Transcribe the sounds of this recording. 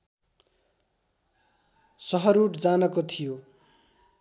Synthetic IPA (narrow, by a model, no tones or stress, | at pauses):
sʌɦʌɾuʈd͡zanʌkot̪ʰijo